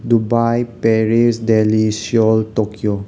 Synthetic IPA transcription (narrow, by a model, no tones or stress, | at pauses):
dubajpɛɹisdɛlisiɔltokio